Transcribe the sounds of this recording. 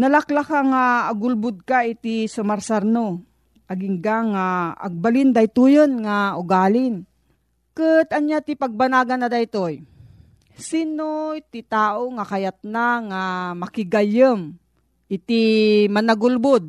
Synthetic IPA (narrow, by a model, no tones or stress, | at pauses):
nɐlaklakaŋaːɡʊlbʊd̪̚kait̪isʊmaɾsaɾno | ʔaɡɪŋɡaŋaa̰ɡ̚balɪnd̪ajt̪ujonŋaʊɡaːlɪn | kɨt̪ɐnjat̪ipaɡ̚banaːɡanːad̪ajt̪oj | sinot̪ɪt̪aːʔoŋakajat̪̚naŋamɐkɪɡajəm | ɪt̪imanaɡʊlbʊd̪̚